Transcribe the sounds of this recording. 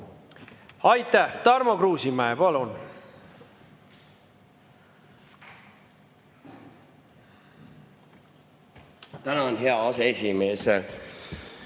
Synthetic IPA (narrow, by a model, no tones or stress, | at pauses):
ɑjt̪ːæht̪ɑrmokruːsimæepɑlun | t̪ænɑonɦeɑɑseesʲimeːse